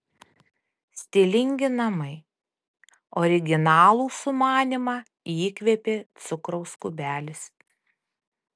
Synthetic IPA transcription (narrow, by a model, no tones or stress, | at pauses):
sʲt̪ʲɪlʲɪŋʲɡʲɪnɐmɐɪ | ɔɾʲɪɡʲɪnɑːlˠuːsʊmɑːnʲɪmɑː | iːkʋʲeːpʲeːt̪sʊkɾɔʊskʊbʲæːlʲɪs